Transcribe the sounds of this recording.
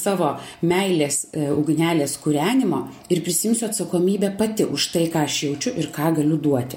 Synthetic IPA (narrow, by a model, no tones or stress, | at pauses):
sɑːʋoːmʲɛɪlʲeːsɐʊɡʲnʲæːlʲeːskʊɾʲæːnʲɪmoː | ɪrpʲɾʲɪsʲɪjɪmʲsʲʊɐt̪sɐkoːmʲiːbʲæpɐt̪ʲɪʔʊʃt̪ɐɪkɑːɐʃjɛʊt͡ʃʲʊʔɪɾkɑːɡɐlʲʊd̪uɔt̪ʲɪ